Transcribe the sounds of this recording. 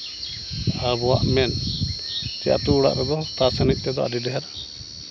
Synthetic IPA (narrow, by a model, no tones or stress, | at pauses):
abɔwaʔmɛn | t̪ɛja̰ʔt̪uːɽa̰ʔɾɛɡ̪ɔt̪asanic̚ˀt̪ɛd̪ɔa̰d̪id̪ɛɦɛɾa